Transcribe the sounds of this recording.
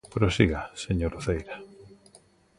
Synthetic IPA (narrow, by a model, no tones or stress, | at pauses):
pɾosiɣaseɲoɾuθejɾa